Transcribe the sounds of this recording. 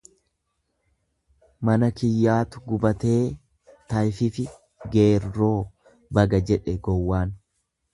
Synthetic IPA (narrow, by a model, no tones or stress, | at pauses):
mɐnɐkɪjːaːt̪ʊɡʊbɐt̪e̞ː | t̪ɐjfɪfɪ | ɡe̞ːrːo̞ː | bɐɡɐd͡ʒɛᶑɛɡɔwːaːn